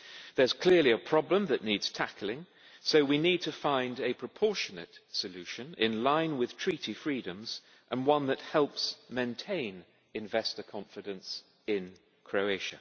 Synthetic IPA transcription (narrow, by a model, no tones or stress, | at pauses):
ðə˞z̥kʰl̥ɪəliəpʰɹ̥ɒblə̃mðɨʔⁿnidz̥tʰæklɪ̃ŋ | soʊwinid̚tʰɨfãɪ̃ndɨpʰɹ̥əpʰɔɹʃɨnɨ̰tsɨlʉʃɨ̃nɪ̰̃nlãɪ̃nwɪð̥tʰɹ̥iɾifɹidɨ̃mz̥ | ʔə̃nwʌ̃nðɨt̚hɛlˠpsmẽɪ̃ntʰẽɪ̃n | ɨ̃ɱvɛstəkʰɑ̃ɱfɨɾɨ̃ns | ɪ̃n | kʰɹ̥oʊeɪʃɨ